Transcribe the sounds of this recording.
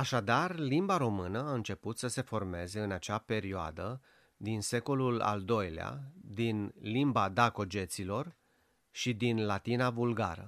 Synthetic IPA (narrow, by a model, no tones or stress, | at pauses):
aʃad̪arlimbaɾo̞mɨnəaɨnt͡ʃe̞put̪səse̞fo̞rme̞ze̞ɨnat͡ʃape̞ɾioa̰d̪ə | d̪inse̞ko̞lula̰ld̪o̞jlea̰d̪inlimbad̪ako̞d͡ʒe̞t̪silo̞r | ʃid̪inlat̪inavulɡa̰ɾə̰